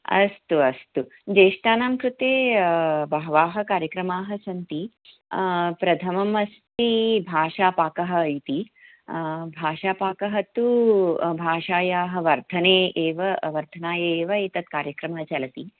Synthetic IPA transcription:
ɐ̰st̪uɐst̪ud͡ʒeːʂʈ̪aːnaːmkɾut̪eːbɐɦɐʋaːɦɐ̆kaːɾjɐkɾɐmaːɦɐsɐnt̪i | pɾɐd̪ʰʱɐmɐmɐst̪ibʱaːʂaːpaːkɐɦɐːjt̪i | bʱaːʂaːpaːkɐɦɐt̪ubʱaːʂaːjaːɦɐ̆ʋɐɾt̪ʰɐneːeːʋɐʋɐɾd̪ʱɐnaːjeːʋɐet̪ɐt̪kaːɾjɐkɾɐmɐɦɐt͡ʃɐlɐt̪i

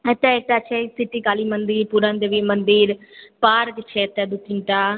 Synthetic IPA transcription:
et̪ɛ̃ːɪʈ̪aːt͡ʃʰeisɪʈiːkaːliːmənd̪iːɾpuɾãːnd̪eːʋimənd̪iːɾpaːɾkt͡ʃʰeːt̪ɛːd̪ʊkːɪɳʈaː

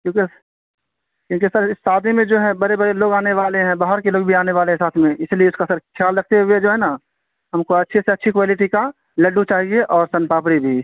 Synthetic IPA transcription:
kjõːki | kjõːk̬isəɾɪsːaːd̪imẽd͡ʒoːɦɛ̃bɐɾebɐɾeloːɡaːneʋaːleɦɛ̃baːɦəɾkeloːɡbʱiaːneʋaːlẽsaːt̪ʰmẽɪslieʊskasəɾkʰjaːlɾɐkʰt̪eɦueɛd͡ʒoːɦɛna | ɦɐmkoɐtːʃʰeseɐtːʃʰikʋaːlɪʈika | lɐɖːut͡ʃaːɦieʔɔːɾsɐnpaːpɽibʱi

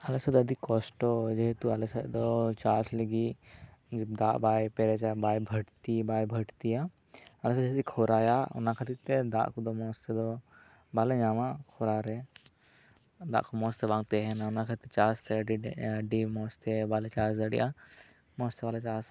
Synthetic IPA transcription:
ɐlesɐd̪ɐd̪ikːɔsʈɔd͡ʒeɦt̪uɐlesəd̪ɔt͡ʃaːsləɡi | d͡ʒd̪aʔbaːjpɛɾɛt͡ʃabaːjbʱɐʈt̪ibaːjbʱɐʈt̪ija | ɐlesd͡ʒɛɦt̪ikʰoɾaːjaʊ̰nakʰat̪it̪ed̪a̰ːʔkud̪ɔmɔːst̪ed̪ɔ | baled͡ʒaːmakʰoɾaɾɛ | d̪a̰ːʔkumɔːst̪ebãːŋɡt̪ɛɦɛnaʊnakʰat̪it̪ɛt͡ʃaːst̪ɖiɖimɔːst̪ebalet͡ʃaːsd̪əɽḭʔa̰ | mɔːst̪eʋaːlet͡ʃaːs

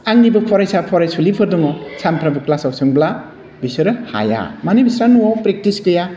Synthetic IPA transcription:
aŋnibɯpʰɔɾajsapʰɔɾajsulipʰɯɾdɔŋɔsanpʰɾabɯklasawsɯŋbla | bisɯɾɯha̰ja̰manibisɾanuawpɾek̚tiskɯja

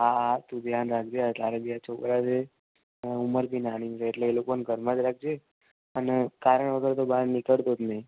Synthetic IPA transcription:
aat̪ũd̪ʱjanɾak̚d͡ʒeat̪aɾebijat͡ʃʰokɾat͡ʃʰe | uməɾbʱinanit͡ʃʰeːʈleːlokonɡʱəɾmãd͡ʒɾak̚d͡ʒe | ənekaɾəɳ̃ʋəɡəɾt̪obaɾnɪkəɭt̪ot̪nəj

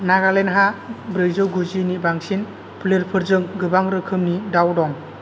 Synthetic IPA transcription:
naɡalenɦabɾɯjzɔɡuzinibaŋsin | pʰɯleɾpʰɯɾzɯŋɡɯbaŋɾɯkʰɯmnidawdɔŋ

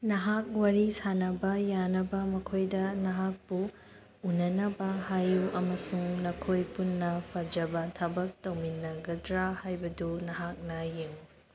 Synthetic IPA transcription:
nɐɦak̚wɐɾisanɐbɐjanɐbɐmɐkʰojdɐnɐɦak̚pu | unɐnɐbɐhajuʔɐmɐsuŋnɐkʰojpunːɐpʰɐd͡ʒɐbɐtʰɐbɐk̚tɐwminːɐɡɐdɾahajbɐdunɐɦak̚nɐjeŋ

